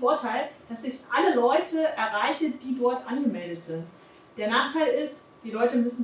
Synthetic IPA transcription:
foːɐtʰaɪld̥asɪçʔaləlɔʏtʰəʔɛɐʁaɪçəd̥iːdɔɐtʔanɡəmɛldətz̥ɪnt | d̥eːɐnaːχtʰaɪlɪst | d̥iːlɔʏtəmʏsn̩

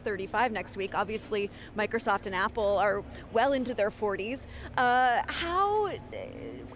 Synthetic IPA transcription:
θɜ˞ɾifaɪvnɛkst̚wikɑbviɨsli | maɪkɹosɔftɨ̃næpl̩ˠə˞ | wɛlˠɪ̃ntʉðə˞fɔɹɾiz̥ʔʌhaʊ

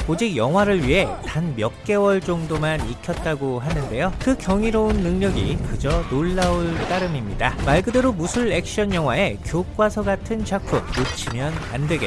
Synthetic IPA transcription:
od͡ʑik̚jʌŋɦwaɾɯɭɥiɦe̞tanmjʌk̚k͈e̞wʌɭt͡ɕ͈ʌŋdomanikʰjʌt̚t͈aɡoɦanɯnde̞jokɯkjʌŋiɾounːɯŋɲʌɡikɯd͡ʑʌnoɭːauɭt͈aɾɯmimɲidamaɭɡɯdeɾomusʰuɭek̚ɕ͈ʌnjʌŋɦwae̞kjok͈̚wasʰʌɡatʰɯnt͡ɕak̚kʰuk̚mot͡ɕʰimjʌna̰ndweɡe

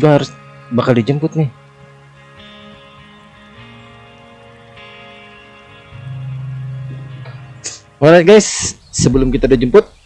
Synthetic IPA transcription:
ɡahaɾʊs | bakaldid͡ʒəmpʊt̪̚nɪh | alaɡajsː | əbəlʊmkit̪adad͡ʒəmpʊt̪̚

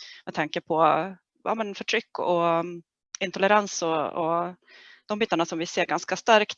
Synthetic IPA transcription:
mɛd̪̚t̪ʰaŋkəpʰɔ | ja̰ːmɛnfœʈʰɾʏkːɔ | ɪnt̪ʰɔʊləɾansɔɔ | d̪̥ɔmbiːt̪ːaɳasɔmvɪseːɾɡanskast̪aɾkt̪

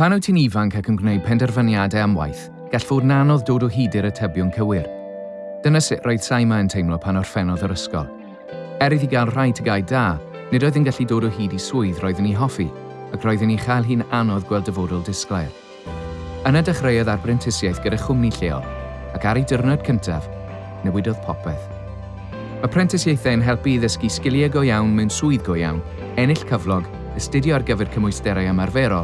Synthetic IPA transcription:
pʰanɔwtʰinivaŋkʰakʰənɡwnejd̚pʰɛndɛrvanjadɛamwa̰jθ | ɡ̥aɬv̥oːdnanɔðdoːdɔɦiːdɪɾətʰɛbjɔnkʰəwɪr | d̥ənasɪʔrɔːjð̥sajmaəntʰejmlˠɔpʰanɔr̥fɛnɔðəɾəskɔ̰lˠ | ɛɾɨðiɡalˠr̥ajtʰəɡaːjdaː | nɪdɔːɨðənɡaɬidoːdɔɦiːdisʊɨðrɔːɨðəniɦɔfi | akʰrɔːɨðəniχajlˠɦiːnanɔðɡwɛlˠdəvoːdʊlˠdɪsklˠajr | ənadaχrejɔðarpʰrɛntʰɪsjajθɡ̥əɾaχʊmniɬeːɔ̰lˠ | akaɾidərnɔd̚kʰəntʰav | nəwɪdɔðpʰɔpʰɛθ | məpʰrɛntʰɪsjejθɛənɦɛlˠpiðəskiskɪlˠjaɡɔjawnmɛwnsʊɨðɡɔja̰wn | ɛnɪɬkʰəvlˠɔɡ | əstɪdjɔarɡəvɛrkʰəmʊjstɛɾaamarvɛɾɔ

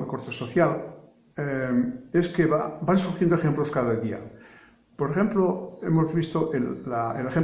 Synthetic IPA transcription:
ako̞ɾt̪e̞so̞θjal | ee̞skeβa̰bansuɾxjend̪oexemplo̞skaðaeld̪ia̰ | po̞ɾexe̞mploe̞mo̞zβist̪o̞ʔelːaelexem

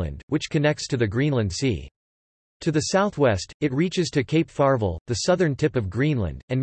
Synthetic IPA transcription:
ɨ̰̃nd̚wɨt͡ʃkʰɨnɛk̚tstʰɨðɨɡɹĩnlˠɨ̃nd̥sḭ | tʰɨðɨsaʊθwɛstɨt̚ɹit͡ʃɨz̥tʰɨkʰeɪpfɑɹvl̩ˠðɨsʌðə̃˞ntʰɪpʌvɡɹĩnlə̰̃ndɨ̃n

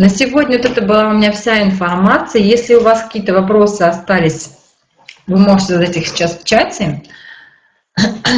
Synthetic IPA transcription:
nəsʲɪvo̞dʲnʲəvot̪ɛt̪əbɨlˠaʊmʲɪnʲafsʲaɪnfɐrmat̪sɨjəjesʲlʲɪʊvaskɐ̥kʲiːət̪əvɐpɾo̞sɨɐst̪alʲɪsʲ | vɨmo̞ʐɨtʲɪzd̪atʲɨxsʲɪ̥t͡ɕaspʲt͡ɕatʲɪ

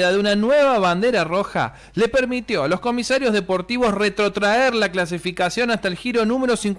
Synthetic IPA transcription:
ðaðeunanweβaβand̪e̞ɾaro̞xa̰ | le̞peɾmit̪jo̞lo̞sko̞misaɾjozðe̞po̞ɾt̪iβo̞sret̪ɾo̞t̪ɾaeɾlaklas̬ifikasjo̞nast̪aelxiɾo̞nũme̞ɾo̞siŋk

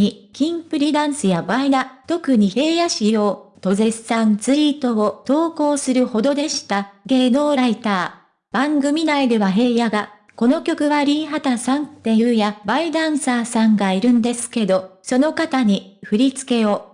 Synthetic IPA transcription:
ikʲĩmpɯ̟ɾʲid̪ãɰ̃sɨjabaid̪at̪o̞kɯ̟ɲ̟ihe̞ːjaɕijo̞ːt̪o̞ze̞ssãnt͡sɨɾit̪o̞ɡot̪o̞ːko̞ːsɨɾɯ̟ho̞d̪o̞d̪e̞ɕi̥t̪aɡe̞ːno̞ːɾait̪aː | b̥ãŋɡɯ̟mʲinaid̪e̞βaɦe̞ːjaɡa | ko̞no̞kʲo̞kɯ̟βaɾʲĩɰ̃ɦat̪asãnt̪eɯ̟jabaid̪ãɰ̃saːsãŋɡaiɾɯ̟̃nd̪e̞sɨ̥ke̞d̪o̞so̞no̞kat̪aɲ̟iɸɯ̟ɾʲit͡sɨ̥ke̞o̞

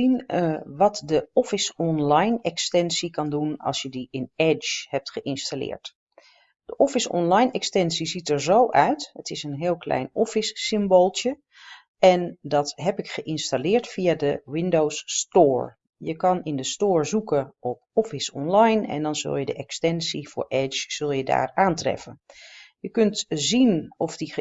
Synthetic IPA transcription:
inʋɑtdəɔfɪsɔnlajnɛkstɛnsikɑndunɑ̰lˠsjədiɪnɛt͡ʃhɛp̚tχəʔɪnstalɪ̰ːɹt | d̥əʔɔfɪsɔ̰nlajnɛkstɛnsizitəɹzowʔœɥtətɪsənɦɪːlˠklɛ̰jnɔfisːɪmbolˠtjə | ɛndɑtɦɛpɪkχəʔɪnstalɪːɹtfiadəwɪndowstʊːɹ | jəkɑnɪndəstoːɹzukəʔɔp̚ɔfɪsɔ̰nlɑjnɛ̰ndɑnzɵ̰lˠjədəʔɛkstɛnsiv̥ʊ̰ːɹʔɛt͡ʃz̥ɵlˠjəda̰ːɹaːntrɛ̰fənjəkɵntzinɔfdi

